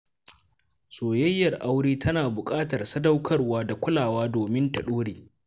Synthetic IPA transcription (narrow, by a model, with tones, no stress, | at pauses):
soː˨jɐ˦jːɐ˨rʔa˦wɽiː˦tʰɐ˦naː˨bʊ˨kʼaː˦tɐ˨rsɐ˦dɐ˦wkʰɐ˦rwaː˦da˨kʷʊ˦laː˨waː˦doː˨mɪ˦ntɐ˨ɗoː˦ɽeː˨